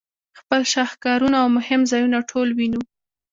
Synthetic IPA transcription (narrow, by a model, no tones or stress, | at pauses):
xpəlʃɑhkɑɾunaːwmʊhɪmzɑjunaʈʰolwinu